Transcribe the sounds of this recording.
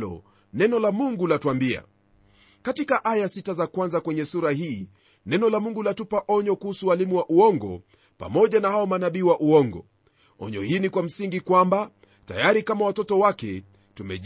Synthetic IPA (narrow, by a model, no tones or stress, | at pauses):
lɔ̰ | nɛnɔlamuŋɡulatuambia̰ | katikaʔajasitazakwanzakwɛɲɛsuɾaɦiː | nɛnɔlamuŋɡulatupaʔɔɲɔkuhusuwalimuwaʔuɔŋɡɔ̰ | pa̰mɔʄanahaɔmanaɓiːwaʔuɔŋɡɔ̰ | ɔ̰ɲɔhiːnikwam̩siŋɡikwamba | ta̰jaɾikamawatɔtɔwakɛ̰ | tumɛʄ